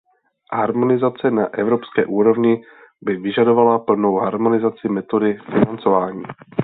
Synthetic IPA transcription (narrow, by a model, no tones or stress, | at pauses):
ɦaɾmo̞nɪzat͡sɛnaʔɛvɾo̞pskɛːʔuːɾo̞vɲɪ | bɪvɪʒado̞valapl̩no̞wɦaɾmonɪzat͡sɪmɛt̪o̞dɪfɪnant͡so̞vaːɲiː